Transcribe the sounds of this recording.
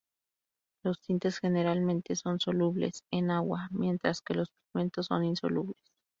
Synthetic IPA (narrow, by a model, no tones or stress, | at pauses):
lo̞st̪int̪e̞sxe̞ne̞ɾalmẽnt̪e̞so̞nso̞luβlḛsenaɣwamje̞nt̪ɾaske̞lo̞spiɣme̞nt̪osːo̞̰ninso̞̰luβles